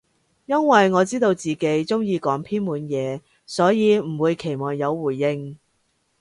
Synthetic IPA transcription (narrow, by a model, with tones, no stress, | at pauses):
jɐ˥nwɐ˨jŋɔː˨˧t͡siː˥t̪o˧wt͡siː˨ke˨˥jt͡sʊ˥ŋjiː˨˧kɔː˨˥ŋpʰiː˥nmuː˨˧njɛː˨˧ | sɔː˨˥jiː˨˧m̩˨˩wuː˨˧jkʰe˨˩jmɔː˨˩ŋjɐ˨˧wːuː˨˩jːɪ˧ŋ